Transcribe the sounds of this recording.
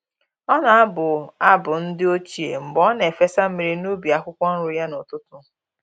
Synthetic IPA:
ɔ˦na˨a˦bʊ˨a˦bʊ˨n̩˦dɪ˦o˦t͡ʃi˨ḛ˨m̩˨bɔ˦ne˨fe˦sa˦m̩˦me˨ɾi˦no˦bi˨a˦kʷʊ˦kʷɔ˦n̩˦ɾʊ˦ja˦nʊ˨tʊ˦tʊ˦

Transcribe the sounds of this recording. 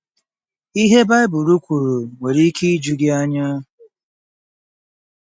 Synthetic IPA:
i˦ɦe˦ba˦ɪ˦bʊ˨ɾu˦kʷu˨ɾu˨ŋʷe˨ɾi˦ki˦i˦d͡ʒu˨ɡɪ˦a˦ɲa˦

